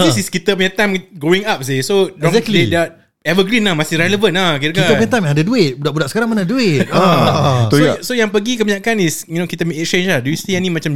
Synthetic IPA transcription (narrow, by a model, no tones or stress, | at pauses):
d̪isiskit̪əpəɲət̪amɡɾoĩŋap̚sesozdeda | ɛvəɡɾinlamasɪhɾɛləvə̃nakit̪əkiatəəɲət̪amjãadaduɪt̪̚budaʔbudaʔsə̥kaɾãŋmanaduɪt̪̚a | osojãŋpəɡikəbaɲakanisinokit̪əmiɛkst͡ʃẽnd͡ʒlahduist̪ianĩmãt͡ʃam